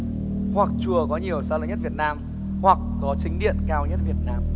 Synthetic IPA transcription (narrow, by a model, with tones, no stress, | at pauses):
hwa˨˩k̚t͡ɕu˨˩əkɔ˨˦ɲi˨˩əwsaː˧lə̰˨˦ɲ˦˥t̚vi˨˩ət̚naː˧m | hwa˨˩k̚ːɔ˨˦t͡ɕï˨˦ŋ̟ɗḭ˧˨ənkaː˧wɲə˦˥t̚vi˨˩ət̚naː˧m